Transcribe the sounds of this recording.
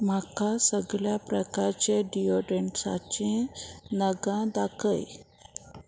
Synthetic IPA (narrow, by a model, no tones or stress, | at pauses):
m̤akasəɡɭjapɾəkaɾt͡ɕeɖioɖeɳʈsa̰t͡ɕĩnəɡãd̪akʰəj